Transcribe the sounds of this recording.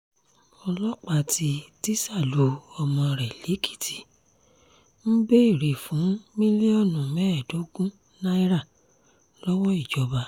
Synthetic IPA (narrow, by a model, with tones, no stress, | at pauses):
ɔ˧lɔ˦k͡pa˦˨tʰi˧ti˦sa˦˨lo˨˦ɔ˧mɔ̃˧ɾɛ˨le˨˦kʰi̥˦˨ti̥˨ | m̩˦be˦i˦˨ɾe˨fũ˨˦mĩ˦li˦ɔ˦˨nũ˨mɛ˦˨do˨˦ɡũ˦ | nã˦i˦ɾa˦˨ | lɔ˦wɔ˦i˦˨d͡ʒɔ˨˧ba˧